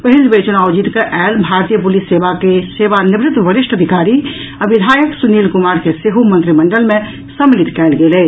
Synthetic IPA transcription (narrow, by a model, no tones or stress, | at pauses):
pəɦilbet͡ʃunawd͡ʒit̪keʔɛlbʱaɾt̪ijəpulisːeʋakeseʋanibɾɪt̪əbəɾiʃʈʰəd̪ʱikaɾi | aʋid̪ʱajəksunilkumaɾkeseɦomənt̪ɾiməɳɖəlmẽ | səmːilit̪kɛlɡelɛ